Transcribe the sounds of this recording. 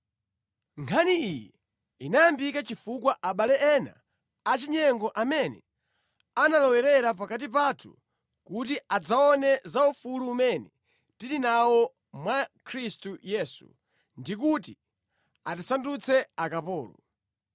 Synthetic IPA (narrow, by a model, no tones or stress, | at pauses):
ŋkʰaniijɛ | inajambikat͡ʃifukwaʔaɓalɛɛna̰ː | t͡ʃiɲɛŋɡɔʔamɛnɛ̰ | analɔwɛɾɛɾapakat̬ip̬atʰu̥̰ | kutiad͡zaɔnɛzaufuluːmɛnɛ | tilinawɔ | mwakʰɾistujɛsṵ | ndik̬uti | atisandut͡sʰɛakapɔːlṵ